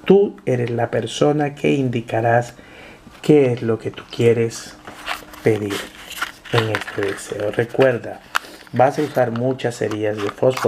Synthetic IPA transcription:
t̪ue̞ɾe̞zlape̞ɾso̞nakʰe̞ind̪ikaɾas | ke̞ezlo̞ke̞t̪u̥kje̞ɾe̞s | pe̞ðiɾ | eŋest̪eðe̞se̞̰ore̞kwe̞ɾðabasausaɾmut͡ʃasḛɾiazðe̞fosfo

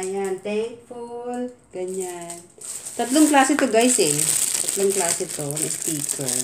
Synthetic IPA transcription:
jant̪ɛfolɡ̥ɐɲan | t̪ɐt̪loŋklaːsɛt̪oɡajsɛt̪ɐt̪loŋklaːsɛt̪onɪst̪iːko̰

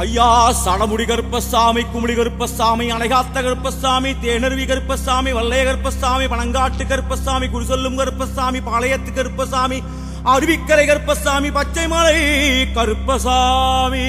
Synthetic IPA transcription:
ɐjːaːsɐɽɐmʊɽikɐɾɯpːɐsaːmikːʊmɪɽikɐɾɯpːɐsaːmiɐnɐɪɣaːt̪ːɐkɐɾɯpːɐsːaːmit̪eːɳɐɾɯʋikɐɾɯpːɐsaːmiʋɐlːɐjɐkɐɾɯpːɐsːaːmipɐɳɐŋɡaːʈːɯkːɐɾɯpːɐsːaːmikʊɾʊsɐlːɯmkɐɾɯpːɐsːaːmipaːlɐjɐt̪ːɯkːɐɾɯpːɐsaːmi | ɐɾɯʋikːɐɾɐɪkɐɾɯpːɐsːaːmipɐt͡ʃːɐɪmɐlɐɪkɐɾɯpːɐsaːmi

